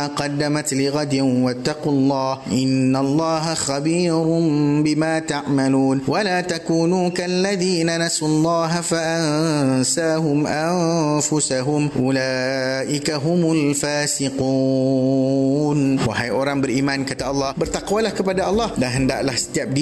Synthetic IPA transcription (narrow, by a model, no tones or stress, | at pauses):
aqɑd̪ːamat̪lɪɣad̪wat̪ːɑqʊlˤːɑːhʔɪnːalˤːɑːɦaxabiːɾbɪmaːt̪aʕmaluːnwʔalaːt̪akuːnuːkaʔlːaðiːnanasʊlˤːɑːɦafaʔannsaːɦʊmʔanfʊsaɦʊmʔʊlaːʔɪkaɦʊmʊlfaːsɪqu | nwɪħajʔʊɾˤɑmbɪlʔiːmaːnkat̪aʔɑlˤːɑːbɪɾt̪ɑqwalahkabad̪aʔɑlˤːɑːhdaɦand̪a̰ʔlahst̪ːab̚d̪i